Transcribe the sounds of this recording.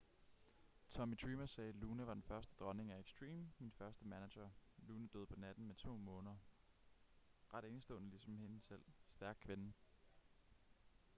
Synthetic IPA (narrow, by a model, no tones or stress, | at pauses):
t͡sʰɒ̽mid̥ʰʁiːmɐsɛːluːnəʋɑ̈d̥enfɶɐsd̥əd̥ʁɒ̽ne̝ŋæeɡ̥sd̥ʁḭːmminfɶɐsd̥əmænæɕɐluːnəd̥ø̰ð̰ˠpʰɒ̽næd̥n̩met͡sʰo̝̰ːmɔ̽ːnɐ | ʁɑ̈ɾ̥e̝ːnəsd̥ɔ̽ːnəlisɒ̽mhe̝nəsel̰sd̥æɐɡ̥̚kʰʋen̩